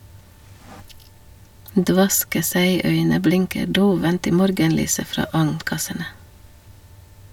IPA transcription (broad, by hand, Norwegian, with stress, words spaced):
ˈdʋɑskə ˈsæɪˌœʏnə ˈblɪŋkə ˈɖoːʋənt ˈiː ˈmɔɾɡənˌlyːsə ˈfɾɑː ˈɑŋnˌkɑsənə